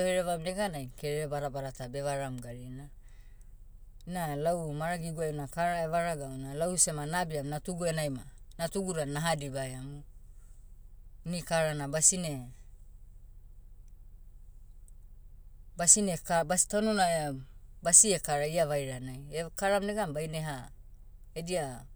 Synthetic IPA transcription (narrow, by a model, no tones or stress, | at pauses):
oheɾeβamneɡanajkeɾeɾebaɾabaɾatabe̞βaɾamɡaɾina | inalawmaɾaɡiɡuajunakaɾaeβaɾaɡaunalawsemanabiamnatuɡuenajmanatuɡuɾanaɦadibajamu | nikaɾanabasine̞ | basinekabasi̥tanonaebasiekaɾaiaβajɾanajekaɾamneɡambajneɦa | edia